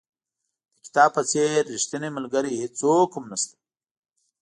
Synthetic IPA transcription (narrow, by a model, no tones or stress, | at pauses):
d̪əki̥t̪ɑːb̚pət͡seɾːiʃt̪iniməlɡəɾihit͡sokʰumnast̪ḁ